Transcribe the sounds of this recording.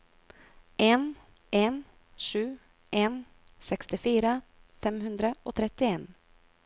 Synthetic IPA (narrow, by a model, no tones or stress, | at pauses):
ʔeːn | eːn | ʂʉː | ʔeːn | sɛkst̪ɪfyːɾafɛmhɵnd̪ɾəʔot̪ʰɾɛt̪ːɪeːn